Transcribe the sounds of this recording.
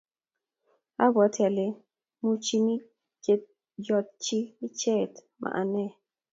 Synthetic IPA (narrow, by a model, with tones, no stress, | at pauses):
a˦bɔ˨˦tja˨le˦ | mu˦t͡ʃi˦ni˦˨ | d͡ʒɔ˨t̪̚t͡ʃiː˦t͡ʃɛ˦˨t | mʔa̰˨ʔa˨nɛ˦˨